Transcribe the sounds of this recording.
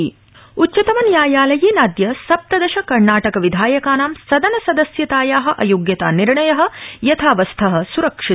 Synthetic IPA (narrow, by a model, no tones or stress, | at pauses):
utːt͡ʃɐt̪ɐmɐnjaːjaːlɐjiːnaːd̪jɐsɐp̚t̪ɐd̪ɐʃɐkɐɾɳaːʈɐkɐʋid̪ʱaːjɐkaːnaːmsɐd̪ɐnɐsɐd̪ɐsjɐt̪aːjaːɦɐ̆ʔɐ̰joːɡjɐt̪a̰ːniɾɳɐjɐɦɐ̆jɐt̪ʰaːʋɐst̪ʰɐɦɐ̆suɾɐkʂi